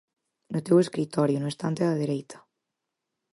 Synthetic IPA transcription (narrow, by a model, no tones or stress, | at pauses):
not̪eweskɾit̪ɔɾjonoest̪ant̪eðaðeɾejt̪ʰɐ̥